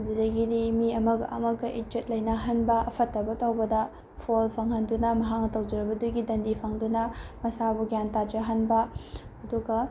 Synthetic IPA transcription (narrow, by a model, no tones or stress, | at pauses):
d͡ʒidɐɡidimiɐmɐɡɐ̰mɐɡɐʔit͡ʃet̚lɐjnɐɦɐnbɐʔɐpʰɐtːɐbɐtɐwbɐdɐ | pʰolpʰɐŋhɐndunɐmɐɦak̚nɐtɐwd͡ʒɐɾɐbɐduɡidɐndipʰaŋdunɐmɐsabuɡjantad͡ʒɐɦɐnbɐɐduɡɐ